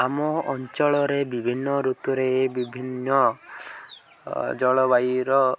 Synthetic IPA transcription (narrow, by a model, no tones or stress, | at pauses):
amɔɔnt͡ʃɔɭɔɾebibʱinːɔɾut̪uɾeːbibʱinːɔ | d͡ʒɔɭɔbajɾɔ